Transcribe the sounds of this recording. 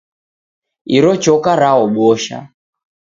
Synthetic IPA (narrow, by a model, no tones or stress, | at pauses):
iɾɔt͡ʃɔkaɾaɔɓɔʃa̰